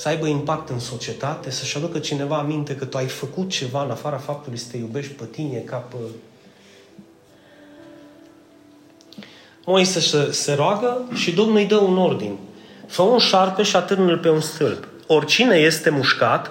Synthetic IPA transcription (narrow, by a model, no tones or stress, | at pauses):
səajbəimpak̚t̪ɨnso̞t͡ʃie̞t̪at̪esəʃad̪ukət͡ʃine̞vaːmint̪e̞kət̪uajfəkut̪̚t͡ʃe̞vaɨnafaɾafap̚t̪ulujsə̥t̪ejube̞ʃt̪̚ʲpət̪inije̞kap | mojsesəse̞ɾoaɡəʃid̪o̞mnujd̪əuno̞rd̪ḭnʲfəunʃarpe̞ʃiat̪ɨrnəlpe̞unst̪ɨlp | o̞rʲt͡ʃine̞je̞st̪e̞muʃkat̪